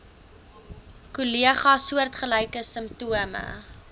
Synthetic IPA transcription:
kuliəχɑsuərtχəlɐjkəsəmp̚tuəmə̰

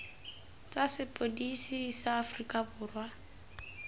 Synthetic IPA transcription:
t͡sʼasɪpʼodisisaːfrikʼabʊːrwa

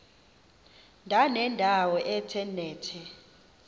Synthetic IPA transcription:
ndʱanɛndʱawɔʔɛtʰɛnɛːtʰɛ

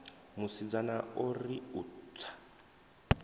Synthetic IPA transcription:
musid͡zanaʊriutt͡sʰḁ

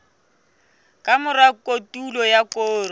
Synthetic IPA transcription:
kʼamʊrakʼotʼulɔjakʼoːr

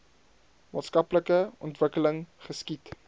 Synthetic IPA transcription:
mɑ̰ːtskɐpləkəʔɔntvəkələŋχəskit

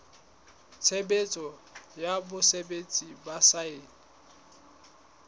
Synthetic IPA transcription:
t͡sʰebet͡sʼɔjabʊsebet͡sʼibasaeːli

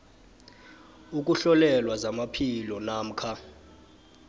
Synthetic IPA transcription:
uk̬ʼuɬɔlɛlwazamapʰilɔnaːm̩kʰa

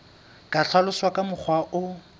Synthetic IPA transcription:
kʼaɬʰwalʊswakʼamʊk͡xʰwaʔʊ

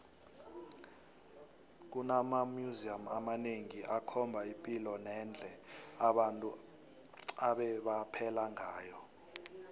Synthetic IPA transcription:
k̬unamamjuziamamaneŋiʔakʰɔmbʱaimpʼilɔnɛnd͡ɮʱɛaɓantʼu | aɓɛɓapʰɛlaŋaːjɔ

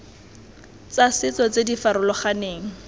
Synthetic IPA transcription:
t͡sasɪt͡sɔt͡sedifaɾʊlɔχaneːŋ̩

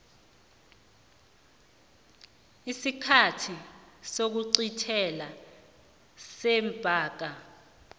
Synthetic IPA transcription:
isikʰatʰisok̬uǀitʰɛla | sɛmpʼaːk̬a

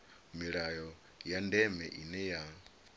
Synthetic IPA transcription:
miɺajɔ | jandɛmɛʔinɛja

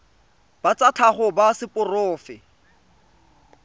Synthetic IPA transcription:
b̥at͡sat͡ɬʰaχʊbasɪpʼʊrʊːfɪ

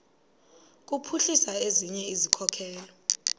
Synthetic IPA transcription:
k̬ʼupʰuɬisaeziɲɛizikʰɔkʰɛːlɔ

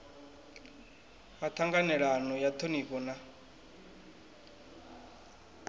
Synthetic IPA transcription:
hat̪ʰaŋɡanɛɺanɔjat̪ʰonikɔna

